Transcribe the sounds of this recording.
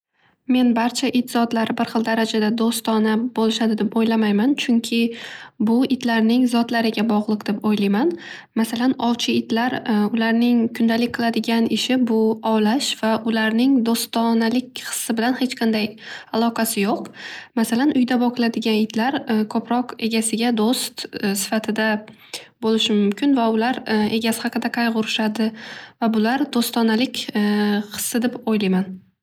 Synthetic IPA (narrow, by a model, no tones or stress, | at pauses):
me̞nbaɾt͡ʃʰaʔɪt̪zɒt̪laɾɪbɪɾχɨlˠd̪aɾad͡ʒad̪ad̪ost̪ɒnabolˠɪʃad̪ɪd̪epojlamajmant͡ʃʰʊŋkʲʰɪbʊɪt̪laɾnɪŋzɒt̪laɾɪɡʲabɒʁlˠɨqd̪epojlajman | masalanɒwt͡ʃʰɪɪt̪laɾʊlaɾnɪŋkʰʊnd̪alɪk̚ʲqʰɨlˠad̪ɪɡʲanɪʃɪbʊɒwlaʃv̥aʔʊlaɾnɪŋd̪ost̪ɒnalɪkʲχɨ̥sːɪbɪlanhe̞t͡ʃqʰɑnd̪ajalˠɒqʰɑsɪjoqmasalanʔʊjd̪abɒqʰɨlˠad̪ɪɡʲanɪt̪laɾkʰopʰɾɒqe̞ɡʲasɪɡʲad̪ost̪sɪ̥fat̪ʰɪd̪a | bolɪʃɪmʊmkʲʰɪnvaʊlaɾe̞ɡʲasɪ̥hɑqʰɨd̪aqʰɑjʁʊɾɪʃad̪ɪvabʊlaɾd̪ost̪ɒnalɪkʲqɨ̥sːɪd̪ɪpojlajman